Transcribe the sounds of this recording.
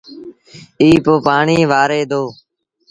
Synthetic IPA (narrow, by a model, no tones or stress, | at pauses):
iːpoːpaːɳiːʋaːɾeːd̪oː